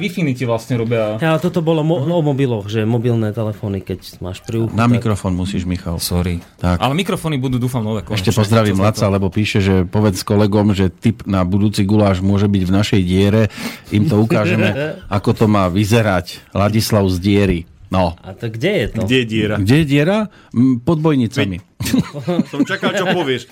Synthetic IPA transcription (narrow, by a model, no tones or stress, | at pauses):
ʋifinicɛʋlasɲɛɾubɛalɛt̪ɔt̪ɔbɔlɔɔɔmɔbilɔɣʒɛmɔbilnɛːt̪ɛlɛfɔnikɛcma̰ːʃpɾiuxnamikɾɔfɔːnmusiːʒmixa̰lsɔɾiːt̪aka̰lɛmikɾɔfɔːnibud̪uːd̪uːfamnɔʋɛkɔɛʃcɛpɔzd̪ɾaʋiːmɦlat̪t͡salɛbɔpiːʃɛʒɛpɔʋɛt͡sskɔlɛɡɔmʒɛt̪ipnabud̪uːt͡siɡulaːʒmʊɔʒɛbiɟvnaʃɛjɟɪɛɾɛimt̪ɔuk̪aːʒɛmɛakɔt̪ɔmaːʋizɛɾaclaɟislaʊzɟɪɛɾi | nɔat̪ɡɟɛjɛt̪ɡɔɟɛjɛɟɪɛɾaɡɟɛjɛɟɪɛɾa | pɔd̪̚bɔjɲit͡sami | sɔmt͡ʃakalt͡ʃɔpɔʋɪɛʃ